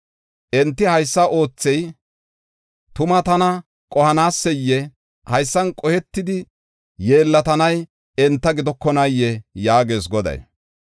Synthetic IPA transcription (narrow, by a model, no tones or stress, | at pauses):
ʔɛnt̪ːɪhɐjsːɐʔo̞ːt͡sːɛj | t̪ʊmɐt̪ɐnɐ | kʼɔhɐnaːsːɛjːɛ | hɐjsːɐnkʼɔhɛt̪ːɪd̪ɪ | je̞ːlːɐt̪ɐnɐj | ɛnt̪ːɐɡɪd̪ɔkːɔnɐjːɛjaːɡe̞ːsɡɔd̪ɐ̰j